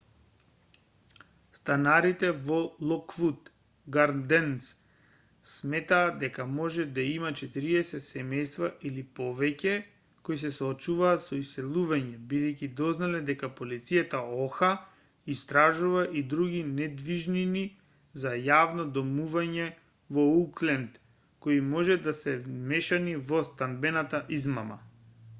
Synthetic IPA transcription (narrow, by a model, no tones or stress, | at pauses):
st̪anaɾit̪ɛvɔlˠɔkfut̪ | ɡaɾd̪ɛns | smɛt̪aːd̪ɛkamɔʒɛd̪aimat͡ʃɛt̪iɾiɛsɛt̪sɛmɛjst̪vaʔilipɔvɛcɛ | kojsɛsɔːt͡ʃuvaːt̪sɔisːɛlˠuvaɲɛbid̪ɛjcʲid̪ɔznalɛd̪ɛkapolit̪sijat̪aɔxa | ist̪ɾaʒuvaʔid̪ɾuɡinɛd̪viʒnini | zajavnɔd̪ɔmuvaɲɛ | vɔuklɛnt̪ | koimɔʒɛd̪asɛmɛʃanivɔst̪and̪bɛnat̪aʔizmama̰